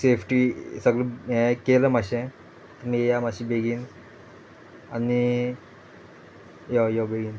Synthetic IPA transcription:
sefʰʈisəɡɭəɛ̃keləmaɕẽ | t̪əmijamaɕiːbeɡiːn | ani | jojobeɡiːn

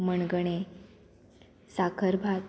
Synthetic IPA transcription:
məɳɡəɳ̃e | sakʰəɾbʱa

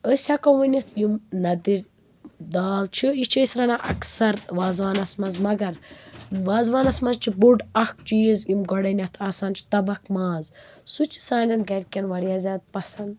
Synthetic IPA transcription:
əsʲakɐwunʲɐt̪ʰjimnɐd̪iɾʲ | d̪aːlt͡ʃʰiit͡ʃʰɐːsɾɐnaʔɐ̰ksɐɾʋaːzʋaːnɐsmɐzmɐɡɐɾʋaːzʋaːnɐsmɐzt͡ʃʰibuɖɐk̚t͡ʃijizjimɡɔɽɐnʲɐt̪ʰaːsaːnt͡ʃʰi̥t̪ɐbɐkʰmaːz | sut͡ʃʰi̥saːnʲɐnɡɐɾʲkʲɐnʋɐɾjaːzʲaːt̪̚pɐsɐnd̪

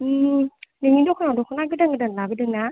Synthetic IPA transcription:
nɯmidɔkʰɔnadɔkʰɔnaɡɯdaŋɯdanlabidɯŋna

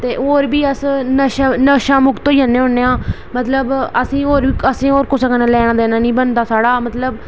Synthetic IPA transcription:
t̪eːʔoːɾbiːəsnəʃanəʃãːmʊkt̪oːiənːeːɦʊɳeːãː | mət̪ləbəsĩːoːɾbiːəsĩːoːɾkʊsəkənãlɛːɽ̃ãd̪eːnãːnĩːbənd̪aːsaːɽaːmət̪ləb

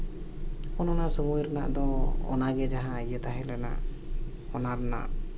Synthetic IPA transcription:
ɔnɔnasɔmuɾna̰ʔd̪ɔɔ̰naɡɛd͡ʒaɦãːjət̪aɦɛlɛna̰ʔ | ɔnaɾna̰ʔ

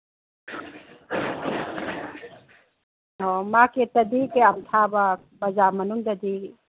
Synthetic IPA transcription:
omaket̪ɐd̪ikeamt̪ʰaba | bɐzamɐnuŋd̪ad̪i

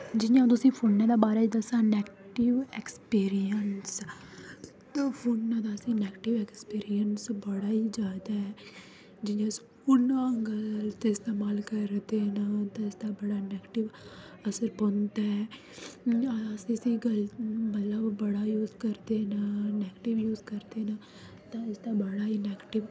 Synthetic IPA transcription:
d͡ʒɪjãːt̪̬ʊsĩːpʰonːãːd̪aːbaːɾaːid̪əsãːnɛːkʈɪʋekspiːɾijəns | t̪aːpʰoːnːãːd̪aːsĩːnɛːkʈɪʋɛkspiːɾijənsbəɽaːiːd͡ʒaːd̪aɦɛː | d͡ʒɪjãsi | ʊnãːɡəlt̪eːɪst̪eːmaːlkəɾt̪enat̪ãɪsd̪abəɽaːnɛːɡʈɪʋ | əsəɾpont̪aɛ | sisiɡəlmət̪ləbːəɽaːjuːzkəɾd̪enanɛːɡʈɪʋjuːzkəɾd̪eːna | t̪ãɪsd̪abəɽaːiːnɛːɡʈɪʋ

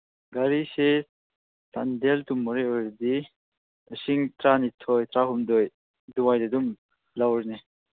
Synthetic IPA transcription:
ɡaɾise | sa̰nd̪elt̪umuɾeɔɾd̪i | əsiŋt̪ɾanit̪ʰɔjt̪ɾaɦumd̪ɔj | d̪uwajd̪ed̪um | lawɾni

